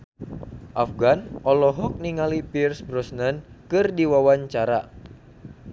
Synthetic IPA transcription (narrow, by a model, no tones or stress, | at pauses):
ʔafɡanʔɔlɔɦɔk̚niŋalipirsbɾɔsnənkɨrdiwawaɲt͡ʃaɾa